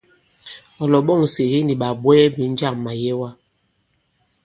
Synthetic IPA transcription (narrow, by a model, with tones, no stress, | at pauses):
ɔ˨lɔ˨ɓɔ˦˨ŋ˨se˨ɣi˦ni˨ɓa˨ɓwɛː˦bi˨˦n̩˦d͡ʒa˦˨ŋma˨jɛ˦wa˦